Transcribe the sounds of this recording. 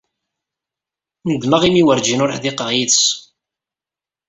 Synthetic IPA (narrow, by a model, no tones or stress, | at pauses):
nəd̪məʁimiwəɾd͡ʒinʊɾħðɪqəʁjiðs